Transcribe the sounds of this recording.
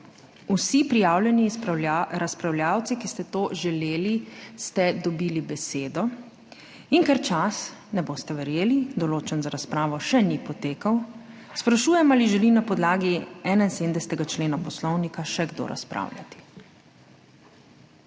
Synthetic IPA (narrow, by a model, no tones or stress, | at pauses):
usipɾijaːwljɛniɾaspɾawljaːwt̪sikist̪ɛt̪oːʒɛleːlist̪ɛd̪ɔbilibɛseːd̪ɔ | iŋkɛɾt͡ʃas | nɛboːst̪ɛʋɛɾjeːlid̪ɔloːt͡ʃɛnzaɾaspɾaːʋɔʃɛnipɔt̪eːkaw | spɾaʃuːjɛmaliʒɛlinapɔd̪laːɡiɛːnainseːd̪nd̪ɛsɛ̥t̪ɛɡat͡ʃleːnapɔslɔwnikaʃɛɡd̪o̰ːɾʔa̰spɾa̰ːwlʲja̰t̪i̥